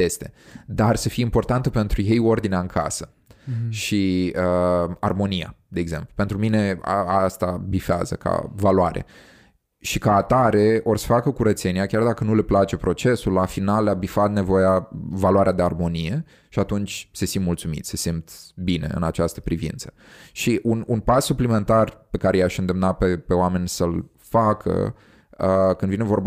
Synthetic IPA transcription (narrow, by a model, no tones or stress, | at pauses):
jest̪e̞d̪arsəfijeimpo̞rt̪ant̪əpe̞nt̪ɾuje̞jo̞rd̪ineaɨŋkʰa̰sə | ʃiəa̰rmo̞nija̰d̪e̞ːɡze̞mplupe̞nt̪ɾumine̞aast̪abifea̰zə̰ka̰valuaɾʔḛ | ʃikaːt̪aɾe̞o̞rsə̥fakəkuɾət̪se̞niakʲard̪akənule̞plat͡ʃe̞pɾo̞t͡ʃe̞sulːafinallabifat̪ne̞vo̞javalwaɾead̪earmo̞nije̞ | ʃiat̪unt͡ʃʲsesimmult̪sumḭt̪sesimt̪bine̞̰ɨ̰nat͡ʃast̪ə̥pɾivḭnt̪sə̥ | ʃiʔununpasːuplime̞nt̪arpe̞kaɾejaʃɨnd̪e̞mnapepe̞oame̞nʲsəl | fakʰə̰ | kɨnd̪vinevo̞rb